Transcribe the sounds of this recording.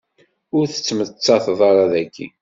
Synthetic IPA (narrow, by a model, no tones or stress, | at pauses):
ʊɾθə̥t͡sːmət͡sːɑθðˤɑɾˤɑðækːḭ